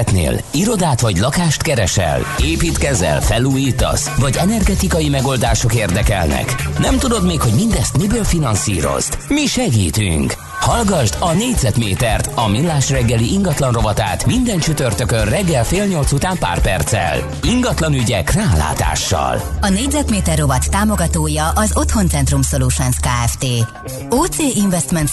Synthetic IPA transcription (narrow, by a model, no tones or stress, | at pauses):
t̪nḛːliɾo̞d̪aːt̪ʋɒɟlɒkaːʃt̪kɛɾɛʃɛ̰l | eːpiːt̪kɛzɛ̰lfɛluːjiːt̪ɒ̰sʋɒɟɛnɛrɡɛt̪ikɒjimɛɡo̞ld̪aːʃo̞keːrd̪ɛkɛlnɛ̰knɛmt̪ud̪o̞d̪meːkho̞ɟmind̪ɛst̪mibøːlfinɒnsḭːɾo̞̰z̥t̪miʃɛɡiːt̪y̰ŋk | hɒlɡɒʒd̪ɒneːɟzɛt̪meːt̪ɛrt̪ɒminːaːʃrɛɡːɛliʔiŋɡɒt̪lɒnro̞vɒt̪a̰ːt̪mind̪ɛnt͡ʃyt̪ørt̪økønrɛɡːɛlfeːlɲo̞lt̪sut̪aːmpa̰ːrpɛ̰rt̪sɛ̰l | iŋɡɒt̪lɒnyɟɛkraːla̰ːt̪a̰ːʃːɒ̰lɒneːɟzɛt̪meːt̪ɛrːo̞vɒt̪ːaːmo̞ɡɒt̪oːjɒʔɒzo̞t̪ho̞nt̪sɛnt̪rumsoluːʃɛnskaːɛft̪eː | oːt̪seːʔiɱvɛst̪mɛnt̪